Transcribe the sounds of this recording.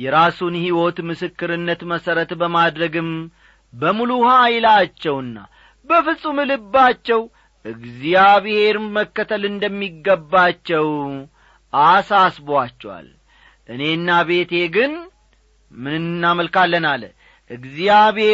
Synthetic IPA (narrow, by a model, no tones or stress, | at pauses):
jɛɾasunhiwo̞t̪mɨsɨkːɨɾɨnːət̪məsəɾət̪bəmad̪ɾəɡɨm | bəmuluhajlat͡ʃːɛwɨnːa̰ | bəfɨsʼumɨlɨbːat͡ʃːɛw | ʔɨɡzijaβɨhe̞ɾməkːət̪ʰəlɨnd̪əmːiɡːəbːat͡ʃːɛw | ʔasasboat͡ʃːɛwa̰l | ʔɨne̞nːaβe̞t̪e̞ɡɨn | mɨnɨnːnːaməlkalːənal | ʔɨɡzijaβe